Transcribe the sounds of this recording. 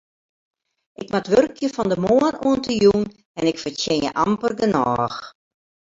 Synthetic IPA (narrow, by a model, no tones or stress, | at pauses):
ʔɪkmatʋørkʰjəfɔndəmoənuəntəjun | ɛnɪkfətjɪnjə̰ʔampərɡənɔːx